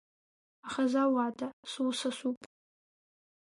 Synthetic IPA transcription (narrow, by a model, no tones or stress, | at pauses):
aχazawatʰasuwsasupʼ